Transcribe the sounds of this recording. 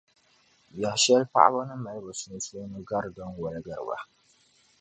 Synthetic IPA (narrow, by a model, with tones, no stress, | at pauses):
ja˨hʃɛ˦lpa̰˦ʔa̰˦ba˦nɨ˦ma˨jbɨ˨snɨ˦so˦nɨ˦ɡa˦ɾdɔ˦nwɔ˨lɡa˨ɾɨ̰˨ba̰˨